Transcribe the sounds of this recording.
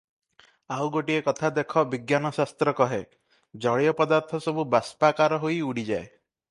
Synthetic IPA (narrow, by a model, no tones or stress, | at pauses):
awɡoʈiekɔt̪ʰad̪ekʰɔbiɡjanɔsast̪ɾɔkɔɦe | d͡ʒɔɭijɔpɔd̪aɾt̪ʰɔsɔbubaspakaɾɔɦoiuɽid͡ʒae